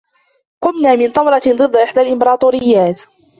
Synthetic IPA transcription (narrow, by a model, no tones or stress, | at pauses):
qʊnnaːmɪnt̪ˤɑmɾˤɑd̪ˤɨd̪ːʔɪħd̪alʔɪmbɑɾˤɑːt̪ˤuːɾɪjːaːt̪